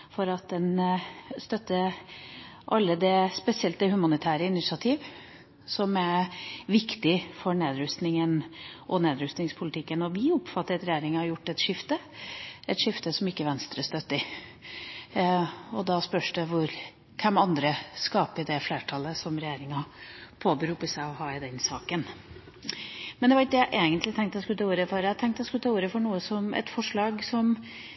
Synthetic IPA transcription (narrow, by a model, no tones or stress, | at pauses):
fɔɾɑt̪̚d̪ɛnst̪œt̪ːə | ʔɑlːəd̪ɛspɛsɪɛlt̪d̪ɛhʉmɑnɪt̪ʰæːɾəɪnɪsɪɑt̪ʰiːʋ | sɔmæʋɪkt̪ɪfɔɾneːd̪ɾʉst̪nɪŋənʔɔneːd̪ɾʉst̪nɪŋspʰʊlɪt̪ɪkːənɔʋɪʊpfɑt̪ːəɾɛt̪ɾɛjeːɾɪŋɑjʊʈːɛt̪ʂɪft̪ə | ɛt̪ʂɪft̪əsɔmɪkːəʋɛnst̪ɾəst̪œt̪ːɪ | ɔd̪ɑspœʂdɛʋʊɾ | kʰɛmɑnd̪ɾəskɑːpəd̪ɛfleːʈʰɑlːəsɔmɾɛjeːɾɪŋɑpʰoːbəɾʉːpəsæɪɔɦɑːɪd̪ɛnsɑːkən | mɛnd̪ɛʋɑɾɪk̚d̪ɛjæɪʔeːɡənt̪lɪt̪ʰɛŋkt̪ɛskʉlət̪ʰɑuːɾəfɔɾæhɑt̪ʰɛŋkt̪ɛskʉlət̪ʰɑːuːɾəfɔɳuːəsɔmɛ̰t̪fɔʂɭɑːɡsɔm